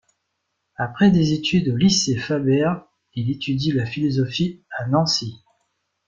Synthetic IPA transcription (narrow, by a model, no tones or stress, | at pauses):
apχɛd̪ezet̪ʰyd̪olisefabɛʁ | ilet̪yd̪ilafilɔzɔfianɑ̃si